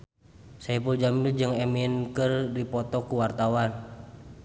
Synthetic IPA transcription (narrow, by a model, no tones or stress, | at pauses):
saipuld͡ʒamild͡ʒɨŋɛminkɨrdipɔt̪ɔkuwart̪awan